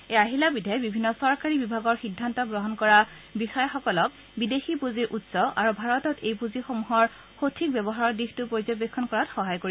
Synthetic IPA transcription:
eaɦilabidʱɛbibʱinːɔsɔɹkaɹibibʱaɡɔɹxidʱːantɔɡɹɔɦɔnkɔɹa | bixɔjɔxɔkɔlɔk̚ | bidexipuziɹʔutsɔʔa̰ɹubʱaɹɔtɔtejpuzixomuɦɔɹ | xotʰik̚bɛbɔɦaɹɔɹdixtupɹoɹizɔbekʰːɔnkɔɹatxɔɦajkoɹiɛ

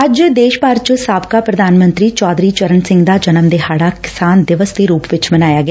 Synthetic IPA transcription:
əd͡ʒd̪eːʃpaːɾt͡ʃəsaːbkaːpɾəd̪aːnmə̃nt̪ɾiːt͡ʃɔːd̪ɾiːt͡ʃəɾənsɪ̃ŋɡd̪aːd͡ʒənəmd̪eːɦaːɽaːkɪ̥saːnd̪ɪʋəsd̪eːɾuːpʋɪt͡ʃmənaːjaːɡɪaː

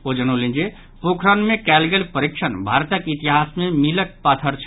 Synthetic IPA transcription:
od͡ʒənolĩnd͡ʒe | pokʰɾanmekɛlɡelpəɾikʃʰənbʱaɾt̪əkit̪iɦasmemilək̚pat̪ʰəɾt͡ʃʰ

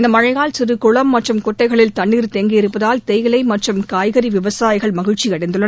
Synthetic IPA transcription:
ɪnd̪ɐmɐɻɐɪɣaːlsɪrɯkʊɭɐmːɐʈrɯmkʊʈːɐɪɣɐɭɪlt̪ɐɳːiːɾt̪eːŋɡiɪɾɯpːɐðaːlt̪ɛjɣɐlɐɪmɐʈrɯmkaːjɣɐɾiʋɪʋɐsaːjɪɣɐɭmɐɣɪɻt͡ʃiɐɽɐɪnd̪ɯɭːɐn

